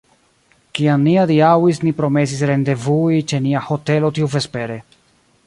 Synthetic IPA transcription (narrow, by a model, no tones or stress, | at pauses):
kiamniadiawisnipɾo̞me̞sisɾe̞nde̞vuit͡ʃe̞niaho̞te̞lo̞tiuve̞spe̞ɾe̞